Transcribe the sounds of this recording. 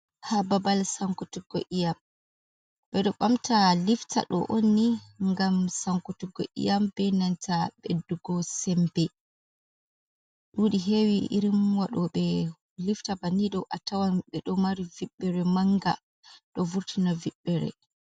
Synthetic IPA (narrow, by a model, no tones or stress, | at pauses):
hababalsaŋkutuɡɔʔijam | b̥ɛɗɔɓamtʰaliftʰa̰ɗɔ̰ʔonːiŋɡamsaŋkutuɡɔʔḭjambɛnantʰaɓedːuɡɔsɛmbɛ | ɗuːɗiɦewiʔḭɾimwaɗɔɓɛ | liftabaniɗɔʔatawanɓɛɗɔmaɾiviɓːɛɾɛmaŋɡa | ɗɔvuɾtʰinaviɓːɛɾɛ̰